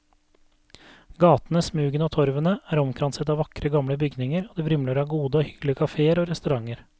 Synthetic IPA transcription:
ɡɑːt̪nəsmʉːɡənoːt̪ʰɔɾʋənəæːɾɔmkʰɾɑnsət̪ɑːʋɑkɾəɡɑmɽəbʏɡnɪŋəɾoːd̪iːʋɾʏmløːɾəɑːɡuːd̪əoːhʏɡ̥lɪəkʰɑfeːəɾoːɾɛst̪ʉɾɑŋəɾ

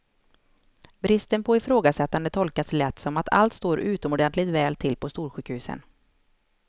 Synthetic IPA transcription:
bɾɪst̪ənpʰɔɪfɾoːɡasɛt̪ːand̪ət̪ʰɔlkaslɛt̪ːsɔmat̪ʰa̰lt̪st̪oːɾʉ̟ːt̪ɔmɔɖ̪ɛnt̪lɪɡt̪vɛːlt̪ʰɪlːpʰɔst̪uːɾɧʉ̟ːkhʉ̟ːsə̰n

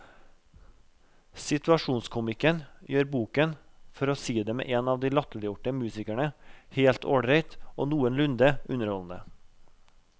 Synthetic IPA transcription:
sɪt̪ʉɑʃuːnskʰʊmɪkənjøːɾbuːkən | fɔɾoːsiːd̪eːmḛːʔeːnɑːʋd̪iːlɑt̪əlɪjʊʈəmʉːsɪkæɳəheːlt̪ʰo̰ːɽɾɛɪt̪ʔo̰ːnuːənlʉnd̪əʉnəɾhɔln̩ə

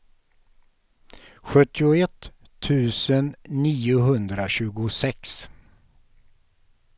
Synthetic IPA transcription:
ɧɵt̪ʰːɪʊɛt̪ʰː | ʉ̟ːsənːiːʊɦɵnd̪ɾaɕʉ̟ːɡʊsɛks

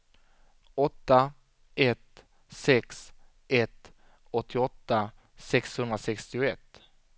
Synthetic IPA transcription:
ɔt̪ːa | ɛt̪ | sɛks | ʔɛt̪ | ɔt̪ʰːɪɔt̪ːa | sɛkshɵnd̪ɾasɛkst̪ɪʊɛt̪ː

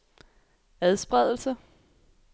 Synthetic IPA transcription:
æðˠsb̥ʁɛðˠl̩sə

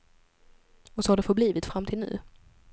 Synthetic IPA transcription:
ɔsɔhaɖɛfœbliːvɪt̪fɾamːt̪ʰɪlnʉ̟̰ː

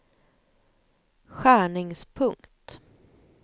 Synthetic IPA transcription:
ɧæːɳɪŋspʰɵŋkt̪

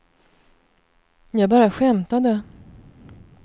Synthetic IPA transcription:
jɑːbɑːɾaɧɛmt̪ad̪ɛ

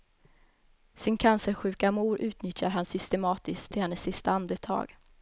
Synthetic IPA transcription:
sɪnkʰansəɾɧʉ̟ːkamuːɾʔʉ̟ːt̪nʏt̪jaɾɦansʏst̪ɛmɑːt̪ɪskt̪ʰːɪlhɛnːəsːɪst̪aand̪ət̪ʰɑ̰ːɡ

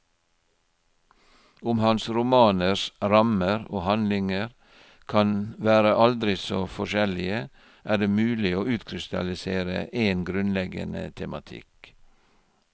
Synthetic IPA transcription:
ʊmhɑnsɾʊmɑːnəsɾɑməɾoːhɑnlɪŋəɾ | kʰɑnʋæːɾəʔɑld̪ɾɪsoːfɔʃɛlɪə | ʔæːɖeːmʉːlɪoːʉːt̪kʰɾɪst̪ɑ̰lɪseːɾə̰ʔeːnɡɾʉnlɛɡə̰nə̰t̪ʰɛmɑt̪ʰɪ̰k

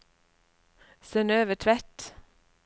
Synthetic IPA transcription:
sɛnøːʋəʈʰʋæʈ

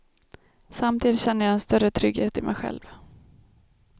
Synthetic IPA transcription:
samt̪ʰiːd̪ɪt̪ɕɛnːəjaɛnst̪œɾət̪ʰɾʏɡheːt̪ɪmʔɛ̰jɧɛ̰lv

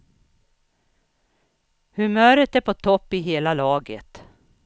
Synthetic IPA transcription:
hɵmœːɾət̪æɾpʰɔt̪ʰɔpːɪɦeːlalɑːɡə̰t̪

